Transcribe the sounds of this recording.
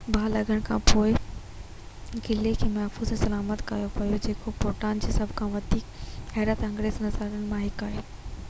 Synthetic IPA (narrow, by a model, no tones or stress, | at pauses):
bʱaːlɐɡʱəɽ̃kʰãːpoːɪ | kɪlekʰeːmɐɦfuːz̃sɐlaːmət̪ka̰ːjopɐjod͡ʑeːkopoːʈaːnd͡ʑeːsɐbʱkʰãʋɐd̪ʱiːkɦɛːɾət̪ɐ̃ŋɡɾeːznɐzaɡəɽ̃mãɦɪkaːɦeː